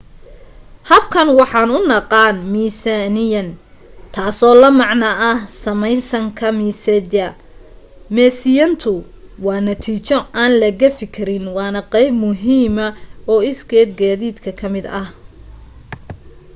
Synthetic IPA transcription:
hɐbkʰɐnwɑħɑːnʊnɑqɑːnmiːsanɪjɐnt̪ʰaːsɔːlɐmɑʕnɐʔɐhsɐmɛjsɐŋkʰɐmiːsɛd̪ɐ | mɛːsɪjɐnt̪ʰʊ | wɑːnɐt̪ʰiːt͡ʃɔaːnlɐɣɐfɪkʰɪɾɪnwɑːnɐqɛjbmʊɦiːmɐɔːɪsɡɛːd̪ɡaːðiːd̪kʰɐkʰɐmɪd̪ɐh

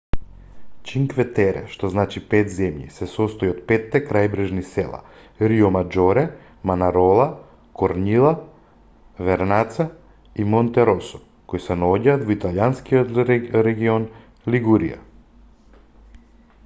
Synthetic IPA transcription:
t͡ʃiŋkvɛt̪ɛɾɛ̰ʃt̪ɔznat͡ʃipɛt̪zɛmjḭsɛsɔst̪ɔjot̪̚pɛt̪ːɛkɾajbɾɛʒnisɛ̰lˠa̰ | ɾiɔmad͡ʒɔɾɛ | manaɾɔlˠa | kɔɾnilˠa | vɛɾnat̪sa | imɔnt̪ɛɾɔsɔ̥ | kojsɛnaɔɟaːt̪vit̪aljanskiot̪ɾɛɡiɔn | liɡuɾḭa̰

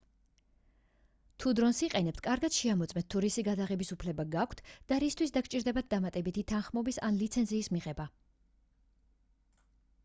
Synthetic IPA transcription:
t̪ʰud̪ɾɔnsiqʼɛnɛpt̪ʰkʼaɾɡad̪̥ʃɛamɔt̪sʼmɛnt̪ʰːuɾisiɡad̪aʁɛbisupʰlɛbaɡakʷʰt̪ʰd̪̥aɾist̪ʰwis̬d̪akʰt͡ʃʼiɾd̪ɛbat̪̚d̪amat̪ʼɛbit̪ʰit̪ʰanχmɔbisa̰nlit̪sʰɛnziːsmiʁɛba

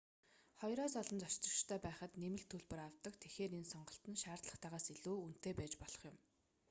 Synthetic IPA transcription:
χɔjɾɔːsɔɮɞ̆nt͡sɔt͡ɕt̪rɞ̆t͡ɕt̪ʰœːpæːχə̆t̪nemɘ̆ɮt̪ʰːɵɮpɘ̆raw̥t̪ə̆kt̪ʰexeːɾensɔɴɢɞ̆ɬt̪ə̆nʃaːrt̪ɮə̆χt̪aʁaːsiɮuːun̥t̪ʰeːpæːt͡ɕpɔɮ̥ɞ̥̆χjʊ̆m

